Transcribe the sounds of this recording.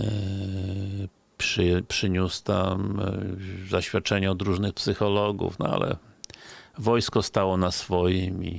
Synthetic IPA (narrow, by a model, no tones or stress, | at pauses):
pʂɘpʂɘɲust̪am | zaɕfʲjat̪̚t͡ʂɛɲɛɔd̪ɾuʐnɘxpsɘxɔlɔɡṵfnɔ̰a̰lɛ̰ | vɔjskɔst̪awɔnasfɔjimʲḭ